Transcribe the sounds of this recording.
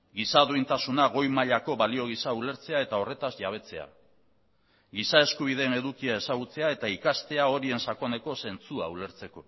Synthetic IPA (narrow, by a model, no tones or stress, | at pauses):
ɡisaðuint̪asunaɣo̞jmaʎako̞βalio̞ɣ̞isaule̞ɾt͡se̞ae̞t̪ao̞re̞t̪azʎaβ̞e̞t͡se̞a̰ | ɣisae̞skuβ̞ið̞e̞ne̞ðukiae̞saɣ̞ut͡se̞ae̞t̪aikast̪e̞ao̞ɾie̞nsakone̞ko̞se̞nt͡sua̰ule̞ɾt͡se̞ko̞